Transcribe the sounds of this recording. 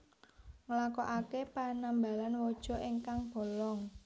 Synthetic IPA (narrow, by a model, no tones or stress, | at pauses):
ŋlakɔʔakepanamba̤lanwɔd̥ʒ̥ɔ̤ʔiŋkaŋb̥ɔ̤lɔŋ